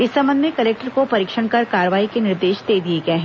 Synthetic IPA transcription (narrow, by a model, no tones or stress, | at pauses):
ɪsːɐ̃mə̃nd̪mẽkɐleːk̚ʈəɾkopɐɾiːkʃəɽ̃kɐɾkaːɾəʋaːikenɪɾd̪eːʃd̪eːd̪ieɡɐɦɛ̃